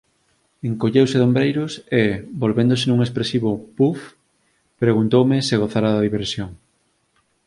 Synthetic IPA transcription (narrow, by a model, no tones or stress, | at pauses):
eŋkoʎewseðombɾejɾʊsebolβend̪osenuŋespɾesiβopuf | pɾeɣunt̪owmɪseɣ̞oθaɾaðɐðiβeɾsjoŋ